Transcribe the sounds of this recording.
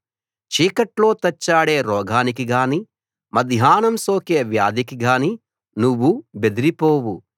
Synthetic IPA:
t͡ʃiːkɐʈlo̞ːt̪ɐt͡ʃːaːɽe̞ːɾɔːɡʱaːnikiɡaːni | mɐd̪ʱjaːnɐmso̞ːkeːʋjaːd̪ikiɡaːni | nuʋːube̞d̪iɾipo̞ːwu

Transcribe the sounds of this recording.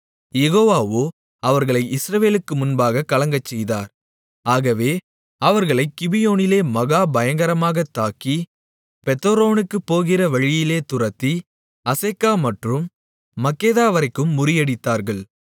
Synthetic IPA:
jɛɣoːʋaːʋoː | ɐʋɐɾɣɐɭɐɪɪsɾɐʋeːlɯkːɯmʊnbaːɣɐkːɐlɐŋɡɐt͡ʃːɛjðaːɾ | aːɣɐʋeː | ɐʋɐɾɣɐɭɐɪkːɪbɪjoːnɪleːmɐɣaːbɐjɐŋɡɐɾɐmaːɣɐt̪ːaːki | pɛt̪ːoɾoːnɯkːɯpːoːɣɪrɐʋɐɻɪjɪleːt̪ʊrɐt̪ːi | ɐseːkːaːmɐʈrɯmː | ɐkːeːðaːʋɐɾɐɪkːɯmːʊɾɪjɐɽɪt̪ːaːɾɣɐɭ

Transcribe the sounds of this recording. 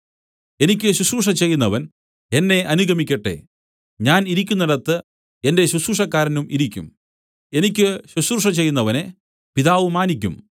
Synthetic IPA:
e̞nikʲːɨɕusuʂɐt͡ɕe̞jːunːɐʋɐn | enːe̞ʔɐnuɡʱɐmikʲːɐʈːe̞̰ | ɲaːniɾikʲːunːɐɽɐt̪ːɨ | e̞nde̞ɕusuʂɐkːaːɾɐnumʔiɾikʲːṵm | e̞nikʲːɨɕusurʂɐt͡ɕe̞jːunːɐʋɐne̞ | piðaːʋumaːnik̬ʲːṵm

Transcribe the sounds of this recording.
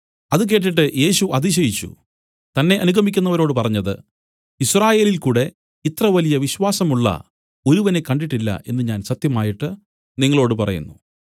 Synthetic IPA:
ɐðɨk̬e̞ːʈ̬ːiʈːɨje̞ːɕuʔɐðiɕ̬ɐjit͡ɕːṵ | t̪ɐnːe̞ʔɐnuɡʱɐmikʲːunːɐʋɐɾo̞ːɽɨpɐrɐɲːɐðɨ̰ | israːje̞ːlilkuːɽe̞ | it̪rɐʋɐlijɐʋiɕwaːsɐmuɭːɐ̰ | o̞ɾuʋɐne̞kːɐɳɖiʈːilːɐ̰ʔe̞nːɨɲaːnsɐt̪jɐmaːjiʈːɨ | niŋːɐɭo̞ːɽɨpɐrɐ̰jṵnːu

